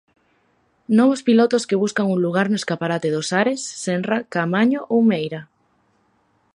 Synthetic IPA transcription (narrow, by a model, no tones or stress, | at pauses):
noβ̞ospilot̪oskeβ̞uskaŋunluɣ̞aɾnoeskapaɾat̪eðosaɾesːenrakamaɲoʔowmejɾa